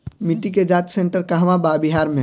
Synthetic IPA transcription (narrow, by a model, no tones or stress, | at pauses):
mɪʈːiked͡ʒaːt̪sẽɳʈəɾkaɦəʋababiɦaːɾmẽ